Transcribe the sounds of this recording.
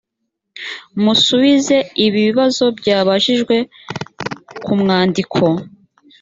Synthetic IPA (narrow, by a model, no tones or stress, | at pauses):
musuβize̞iβiβiβazo̞bɟaːβaʒiʒɡwe̞ | kumŋaːndikʰo̞